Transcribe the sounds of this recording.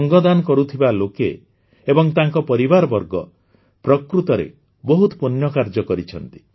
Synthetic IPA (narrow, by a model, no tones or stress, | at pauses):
ŋɡɔd̪anɔkɔɾut̪ʰibaloke | ebɔŋt̪aŋkɔpɔɾibaɾɔbɔɾɡɔ̰ | pɾɔkɾut̪ɔɾḛ | bɔɦut̪punjɔkaɾd͡ʒɔkɔɾit͡ʃʰɔnt̪i̥